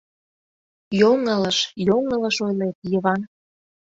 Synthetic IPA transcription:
joŋələʃjoŋə̆ləʃojlet̪jəβɑn

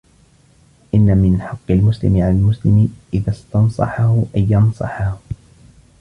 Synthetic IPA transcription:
ʔɪnːamɪnħɑqːɪlmʊslɪ̰mɪʕalalmʊslɪmɪʔɪðast̪ɑnsˤɑ̰ħahʊʔajːɑnsˤɑ̰ħah

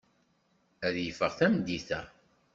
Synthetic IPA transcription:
æðjəfəʁθæmd̪ːiθæ̰

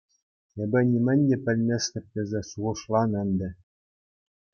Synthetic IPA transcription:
ebʲɘ̆nʲimʲɘ̆nʲd̪ʲĕpʲɘ̆lʲmʲesʲlʲɘ̆p̚tʲĕzʲesuʁɤ̆ʂlˠɑnɘ̆nʲd̪ʲɘ̆

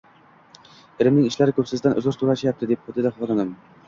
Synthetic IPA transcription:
eɾɪmnɪŋiʃlæɾɪkʰʲɵpsɪzd̪ænʔʊ̰zʊɾt̪ʰuɾɑʃijap̚t̪ʰɪd̪ep̚χʊt̪ːɪd̪ɛχlˠnɨnɨm

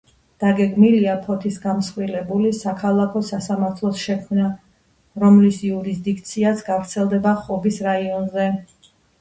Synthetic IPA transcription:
d̪̥aɡɛɡmiliapʰɔt̪ʰisɡamsχʼwilɛbulisakʰalˠakʰɔsasamaɾt̪ʰlˠɔsʃɛkʰmna | ɾɔmlisiuɾisd̪ikʰt̪sʰiasɡavɾt̪sʰɛlˠd̪ɛbaχɔbisɾaiɔnzɛ

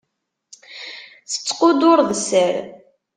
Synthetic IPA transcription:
θə̥t͡sːqʊd̪ʊɾˤðsəɾ

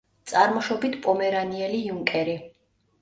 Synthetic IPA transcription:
t̪sʼaɾmɔʃɔbit̪ʰpʼɔmɛɾaniɛlijuŋkʼɛɾi

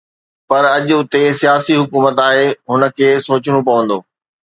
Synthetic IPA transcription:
pɐɾɐʄʊt̪esijaːsiɦʊkuːmət̪aːɦeɦʊnə̆kʰeːsoːt͡ɕɪɽ̃opɐʋə̃nd̪oː

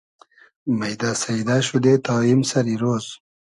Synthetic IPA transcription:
majd̪asaid̪aʃud̪et̪ɑːimsaɾiɾoz

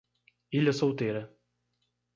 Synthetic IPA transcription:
iʎɐsowt̪eɾɐ

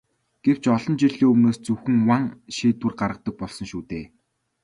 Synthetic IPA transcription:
ɡ̥ew̥t͡ɕɔɮɞ̆nt͡ɕiɮeːɵmnoːst͡sɵwxɘ̆ŋwaŋʃiːt̪wŭrɢaɾə̆q̚t̪ɞ̆k̚pɔɮsɞ̆ŋʃuːt̪eː

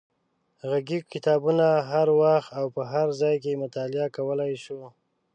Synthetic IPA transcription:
ɣaɡikɪt̪ɑbunaɦaɾwaxt̪awpəɦaɾzɑjk̬emʊt̪ɑlɪakawəlajʃu

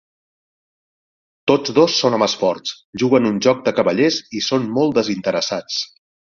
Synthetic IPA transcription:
t̪od͡zðosːonəməspɔrt͡s | ʒuɣənunʒɔk̚d̪əkəβəʎezisonmolˠt̪d̪əzint̪əɾəsat͡s

